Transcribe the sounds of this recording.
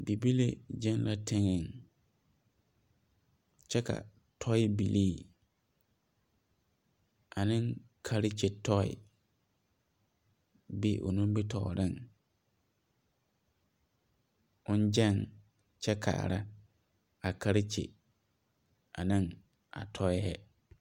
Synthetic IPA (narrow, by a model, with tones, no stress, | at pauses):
bi˨bi˦lḛ˦d͡ʒɛ˦nlʔa˦tʰe˦ŋɪ˨ŋ | t͡ʃɛ˦ka̰˨ | tʰɔ˦ɪ˦bi˨liː˦˨ | a˨nɪ̃˦ŋkʰa˦ɾɪ˦t͡ʃe˨tɔ˦ɪ̰˨ | bḭ˦ʔo̰˨nũ˦m˦bɪ˦tʰɔ˨ɾɪ˦˨ŋ | ʊ̃˦n˦d͡ʒɛ˦˨ŋ | t͡ʃɛ˦kʰa̰˨ɾa˦ | a˨kʰa˦ɾɪ˦t͡ʃḛ˨ | a˨nɪ̃˦ŋ | a̰˨tʰɔ˦ɪ˦ɛ˦